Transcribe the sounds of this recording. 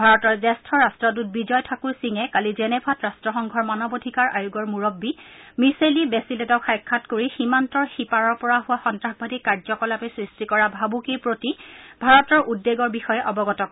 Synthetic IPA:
bʱaɹɔtɔɹzɛstʰɔɹastɹɔdut̚bizɔjtʰakuɹsiŋɛkalizɛnɛbʰʱatɹastɹɔxɔŋɡʱɔɹmanɔbodʱikaɹʔajuɡɔɹmuɹɔbːimiselibɛsilɛtɔkʰajkʰːatkoɹiximantɔɹxipaɹɔɹpɔɹaɦʊwaxɔntɹaxbʱadikaɹd͡ʒɔkɔlapɛsɹistikɔɹabʱabukipɹotibʱaɹɔtɔɹʔudːeɡɔɹbixɔjɛʔɔbɔɡɔtɔkɔ

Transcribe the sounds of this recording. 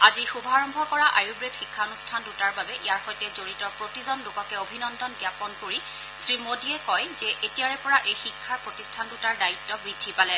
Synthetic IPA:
azixubʱɔaɹɔmbʱɔkɔɹaʔajuɡɹetxikʰːaonustʰandutaɹbabɛʔijaɹxɔjtɛzoɹitɔpɹotizɔnlʊkɔkɛobʱinɔndɔnɡijapɔnkoɹi | sɹimodiɛkɔjzɛʔetijaɹɛpɔɹaʔejxikʰːaɹpɹotistʰandutaɹdaitːɔbɹidʱːipalɛ

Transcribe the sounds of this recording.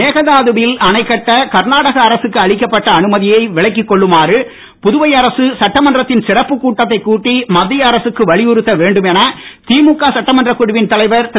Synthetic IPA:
eːɣɐðaːðɯbɪlɐnɐɪkːɐʈːɐkɐɾnaːɽɐɣɐːɾɐsɯkːɯɐɭɪkːɐpːɐʈːɐːnɯmɐðɪjɐɪʋɪɭɐɪk̬ːɪkːɔɭːɯmaːrɯ | pʊðʊʋɐɪɐɾɐsɯsɐʈːɐmɐndrɐt̪ːɪnsɪrɐpːɯkːuːʈːɐt̪ːɐɪkːuːʈːimɐd̪ːɪjɐːɾɐsɯkːɯʋɐɭɪjʊɾɯt̪ːɐʋeːɳɖɯmɛnɐt̪iːmukːaːsɐʈːɐmɐndrɐkːʊɽɪʋɪnt̪ɐlɐɪʋɐɾt̪

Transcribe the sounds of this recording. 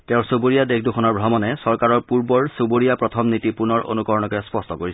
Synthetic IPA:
tɛʊ̃soboɹijadekʰdukʰɔnɔɹbʱɹamɔnɛsɔɹkaɹɔɹpuɹbɔɹsoboɹijapɹɔtʰɔmnitipunɔɹo̰nukɔɹɔnɔkɔjɛspɔstɔkoɹis

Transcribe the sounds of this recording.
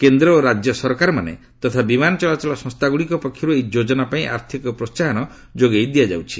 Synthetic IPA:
kend̪ɾɔːɾad͡ʒjɔsɔɾkaɾɔmanḛ | t̪ɔt̪ʰabimanɔt͡ʃɔlat͡ʃɔlɔsɔ̃st̪aɡuɽikɔpɔkʰːjɔɾuejd͡ʒod͡ʒɔnapaĩʔa̰ɾt̪ʰikɔpɾɔst͡ʃaɦɔnɔ | d͡ʒoɡejd̪ijad͡ʒa̰wt͡ʃʰi̥

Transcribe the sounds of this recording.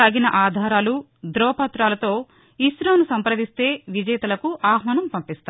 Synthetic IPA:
aːɡinɐʔaːd̪ʱaːɾaːlu | d̪ɾɔːpɐt̪ɾaːlɐt̪o̞ː | iʃɾoːnusɐmpɾɐʋ̪ist̪e̞ːʋid͡ʒɐjɐt̪ɐlɐkuʔaːɦmɐnɐmpɐmpist̪a

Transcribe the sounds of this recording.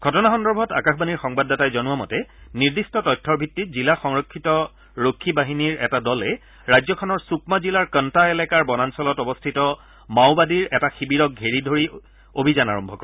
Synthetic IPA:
ɡʱɔtɔnaxɔndɔɹbʱɔta̰kaxbaniɹxɔŋbadːatajzɔnʊwamɔ̰tɛniɹdistɔtɔjtʰːɔɹbʱitːitzilaxɔŋɹɔkʰːitɔ | ɹokʰːibaɦiniɹɛ̰tadɔlɛ | ɹajzɔkʰɔnɔɹsukmazilaɹkəntaelɛkaɹbɔnansɔlɔtɔbɔstʰitɔ | mawbadiɹɛtaxibiɹɔk̚ɡʱeɹidʱoɹi | obʱizana̰ɹɔmbʱɔ̰kɔɹ

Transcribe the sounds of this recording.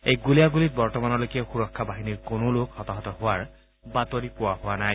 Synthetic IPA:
ejɡulijaɡulit̚bɔɹtɔmanɔlojkɛxuɹɔkʰːabaɦiniɹkonʊlokhɔtaɦɔtɔhʊwaɹ | batoɹipʊwahʊwanaj

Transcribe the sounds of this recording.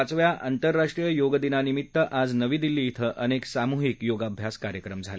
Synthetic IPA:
at͡sʋjaʔʔant̪əɾːaʂʈɾijəjoɡd̪inanimit̪ːəʔad͡znəʋiːd̪ilːiːit̪ʰəʔəneksamuɦikjoɡabʱjaskaɾjəkɾəmd͡zʱale

